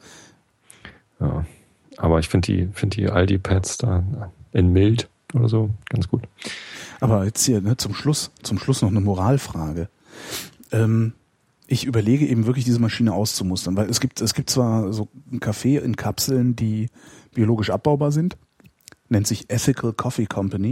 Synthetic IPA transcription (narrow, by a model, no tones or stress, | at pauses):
ja̰ː | ʔaːbɐɪçfɪndd̥ḭːfɪndədḭʔa̰ldiːpʰɛtsd̥aːʔɪnmɪlt | ʔoːɾɐ̰zoːɡ̥ansɡ̥uːtʔaːbɐjɛt͡sthiːɐnət͡sʊmʃlʊst͡sʊmʃlʊsnɔχnəmoʁaːlfʁ̥aːɡə | ʔɛːm | ʔɪçʔyːbɐleːɡəʔeːbm̩vɪɐklɪçd̥iːzəmaʃiːnəʔaʊst͡sumʊstɐnvaɪlɛsɡ̥iːp̚tʰɛsɡ̥iːp̚tt͡sv̥aːɐzoːn̩kʰafeːʔɪ̰nkʰapsl̩ndiːb̥ioloːɡɪʃʔap̚b̥aʊbaːɐzɪnt | nɛntz̥ɪçʔɛθɪkʰl̩kʰɔfikʰɔmpani